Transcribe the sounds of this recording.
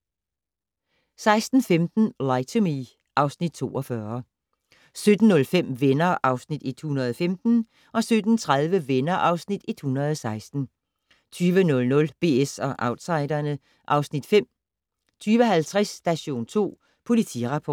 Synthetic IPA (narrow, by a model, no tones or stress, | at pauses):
sɑ̈ɪsd̥n̩femd̥n̩lɑɪt͡sʰomi | ʔɑ̈ʊsnid̥̚t͡sʰo̝̰ːʔɒ̽fɶːɐ | sød̥n̩ːɔ̽lfem̰ʋenɐʔɑ̈ʊsnid̥e̝d̥hunɐðˠɒfemd̥n̩ | ʔɒ̽sød̥n̩t͡sʰʁaðˠʋəʋenɐʔɑ̈ʊsnid̥e̝d̥hunɐð̞ˠɒsɑ̈ɪsd̥n̩ | t͡sʰyːʋənɔ̽lnɔ̽lb̥e̝̰ːesɒ̽ʔɑ̈ʊd̥sɑ̈ɪd̥ɐnə | ʔɑ̈ʊsnid̥fem̰ | t͡sʰyːʋəɦælt͡sʰʁɛsd̥æɕo̝̰ːnt͡sʰo̝̰ː | pʰo̝lit͡sʰḭʁɑ̈pʰɒ̥ː